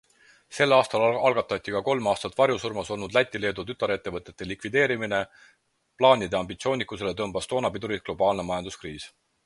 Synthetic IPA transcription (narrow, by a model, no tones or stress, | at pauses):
se̞lːɑːst̪ɑlɑlɡ̥ɑt̪ːˑɑt̪ʲːˑikɑko̞lmɑːst̪ɑt̪ːˑvɑɾjusurmɑso̞lnud̪læt̪ʲˑːile̞ːd̪ut̪yt̪ːˑɑɾe̞t̪ːe̞vɤt̪ːˑe̞t̪ːˑe̞likvid̪e̞ːɾimine | plɑːnʲid̪eɑmbit̪sio̞ːnʲikːˑuselet̪ɤmb̥ɑst̪o̞ːnɑpid̪uɾit̪̚ɡ̥lo̞b̥ɑːlne̞mɑjɑnd̪̥uskriːs